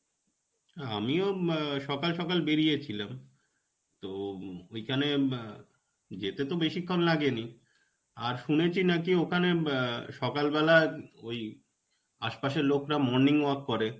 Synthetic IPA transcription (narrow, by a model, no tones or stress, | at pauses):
amioʃɔkalʃɔkalbeɾijet͡ɕʰilam | t̪oojkʰane | d͡ʑet̪et̪obeʃikʰːonlaɡeni | aɾʃunet͡ɕʰinakiokʰaneʃɔkalbɛlaoj | aʃpaʃeɾlokɾamɔɾniŋaɾkːɔɾe